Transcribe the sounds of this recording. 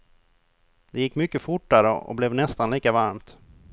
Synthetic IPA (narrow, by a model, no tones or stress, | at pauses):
d̪ɛjɪkːmʏkːəfʊʈːaɾəɔ̰blɛvnɛst̪anliːkavaɾmt̪